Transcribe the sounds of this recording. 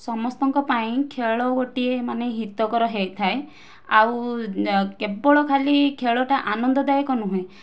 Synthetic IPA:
sɔmɔst̪ɔŋkɔpaĩkʰeɭɔɡoʈiemaneɦit̪ɔkɔɾɔɦejt̪ʰae | aw | kebɔɭɔkʰalikʰeɭɔʈaʔanɔnd̪ɔd̪ajkɔnuɦũẽ

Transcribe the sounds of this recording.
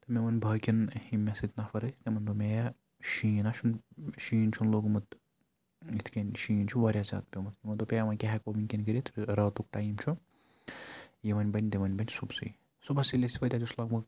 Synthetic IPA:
t̪ɐmemɐnbʱɐːkʲinhimːesit̪nafɐɾɐt̪emɐnd̪omeja | ʃiːnaʃʰunʃiːnt͡ʃʰunloːɡmɐt̪ | it̪ʰkʲɐnʲʃiːnt͡ʃʰuʋɐɾʲjaːzʲa̰ːt̪̚pʲemɐt̪imɐnd̪opʲejmɐnʲkʲeɦɛkominʲkʲinɡiɾit̪ɾɾɐːt̪uk̚ʈaːjimt͡ʃʰu | jeʋɐnʲbɐnʲd̪eʋɐnʲbɐnʲsubsɨ̰ | subɐsilʲesipɐt̪ʲad͡ʒuslaːɡmɐ

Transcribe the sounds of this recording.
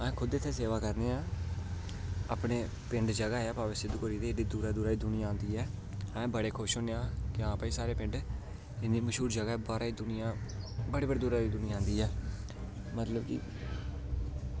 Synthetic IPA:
ɛ̃ːkʰʊd̪eːt̪ʰːeːseːʋaːkəɾneːãː | a̰ːpɳeː | pɪɳɖd͡ʒəɡaːaːpaːʋəsɪd̪koɾiːd̪eːd̪iːd̪uːɾaːd̪uːɾaːiːd̪ʊnɪjãːãːnd̪iːɛː | ɛ̃ːbəɽeːkʰʊʃɦoːneãːkãːpaiːsaːɾeːpɪ̃ɳɖ | ɪniːməʃuːɾd͡ʒəɡaːbaːɾaːiːd̪ʊnɪjãːbəɽeːbəɽeːd̪uːɾaːiːd̪ʊnɪjããːnd̪iːɛː | mət̪ləbkḭː

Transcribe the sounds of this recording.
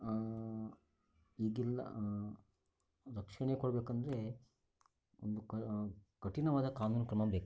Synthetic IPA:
iːɡilːɐ̰ | ɾɐkʂɐɳekɔɽɐbeːkɐnd̪ɐɾe | ond̪u | kɐʈinɐʋaːd̪ɐkaːnuːnɐkɾɐmɐbeːk

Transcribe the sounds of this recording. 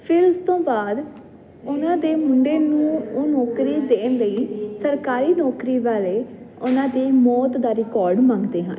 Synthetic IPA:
pʰɪɾʊst̪õːbaːd̪ | ʊnãːd̪eːmʊɳɖeːnũːoːnɔːkɾiːd̪eːnləiːsəɾkaːɾiːnɔːkɾiːʋaːleːʊnãːd̪iːmɔːt̪d̪aːɾɪkɔːɾɖmãːŋɡd̪eːɦã̰ːn

